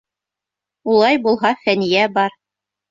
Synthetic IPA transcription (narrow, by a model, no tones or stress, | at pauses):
ulˠɑjbulˠɦɑfænijæbɑɾ